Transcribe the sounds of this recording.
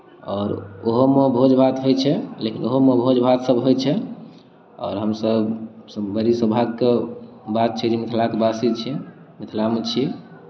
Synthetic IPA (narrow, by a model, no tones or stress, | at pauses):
ɔːɾoɦomebʱod͡ʒbʱat̪ɦojt͡ʃʰɛlekinoɦomebʱod͡ʒbʱat̪səbɦojt͡ʃʰɛ | ɔ̰ːɾɦəmsəbsəbəɾisəbʱaɡ̚kebat̪̚t͡ʃʰɛd͡ʒemit̪ʰlakebasit͡ʃʰɛ | mit̪ʰlamet͡ʃʰi